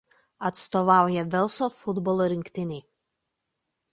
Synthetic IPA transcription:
ɐt̪st̪ɔʋɑˑʊjɛʋʲɛlˠsɔfʊd̪bɔlˠoɾʲɪŋʲkʲt̪ʲɪnʲiː

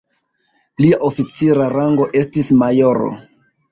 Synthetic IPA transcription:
liaʔofit͡siɾaɾaŋɡo̞ʔe̞stismajoɾo̰

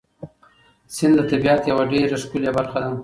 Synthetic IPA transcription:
sɪnd̪d̪ət̪abiɑt̪jawaɖeɾaskuljabaɾxad̪a

